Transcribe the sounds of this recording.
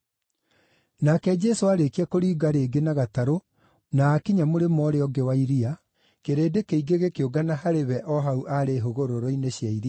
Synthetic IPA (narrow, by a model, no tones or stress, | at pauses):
nakɛd͡ʒɛsoaɾekiakoɾiːɡaɾeːɡenaɣataɾo | naːkiɲamoɾemɔɾeɔɡewaiɾia | keɾeːdekeiɡeɣekeoɡanahaɾeβɛʔɔɦauʔaɾeɦoɣoɾoɾɔineɕjaiɾia